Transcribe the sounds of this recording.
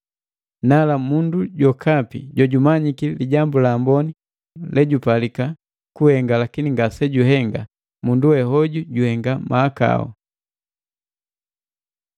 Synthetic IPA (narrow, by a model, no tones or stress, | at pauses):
nalamunduɟɔkʰapḭɟɔɟumaɲikiliɟambulaːmbɔni | lɛɟupalika | kuhɛŋɡalakiniŋɡasɛɟuɦɛŋɡa | munduwɛɦɔɟuɟuhɛŋɡamʔaːka̰ɔ̰